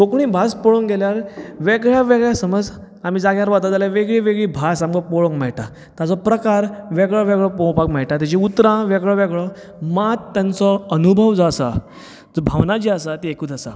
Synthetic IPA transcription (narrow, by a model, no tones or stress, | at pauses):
tokɳ̃iːbʱaspɔɭoŋɡeljaɾʋeɡɭjaʋeɡɭjasəməd͡z | am̤iːd͡zaɡjaɾʋat̪ad͡zaljaʋeɡɭiʋeɡɭiːbʱasamɡɔpoɭoŋkmɛɭʈa | t̪at͡sɔpɾəkaɾʋeɡɭɔʋeɡɭɔpɔ̃pakmɛɭʈat̪̬jat͡ɕiut̪ɾãʋeɡɭɔʋeɡɭɔ | mat̪t̪ːjãnt͡sɔənubʱəʋd͡zasa̰ | d͡zɔbʱaʋnat͡ɕiasat̪iekuːt̪asa̰